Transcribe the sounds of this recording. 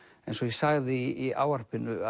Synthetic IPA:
ɛẽjnsɔjɛsaɣðɪia̰ːwar̥pɪnʏa

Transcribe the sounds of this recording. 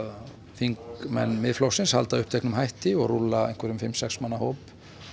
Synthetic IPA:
fiŋkmɛnːmɪðflowsɪnsha̰lt̪aʏhpt̪ʰɛhknʏmhajht̪ɪɔɣrulaejŋ̥kʰvɛɾʏmfɪmːsɛksmanːahoːwp

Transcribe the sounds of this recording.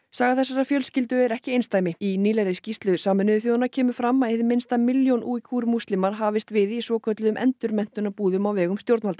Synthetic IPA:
saːɣaθɛsːaɾafjœlscɪlt̪ʏɛɾɛhcɪejnst̪aːjmɪiniːlaɾɪscist̪lʏsaːmʏnʏðθjoðanːacʰɛːmʏfɾamːaeθɪmɪnst̪amɪljownʔuːcʰuɾmust̪lɪmaɾ̥ɦaːvɪst̪vɪðisvɔːkʰœt̪lʏðʏmʔɛ̰nt̪ʏɾmɛn̥t̪ʏnapuːðʏmawvɛːɣʏmst̪jowɾt̪nvalt̪a

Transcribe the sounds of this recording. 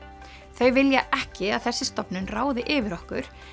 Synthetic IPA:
θœɥvɪljaʔɛhcɪaðθɛsːɪ̥st̪ɔpnʏnraːwðɪʔɪːvɪɾɔhkʏɾ̥

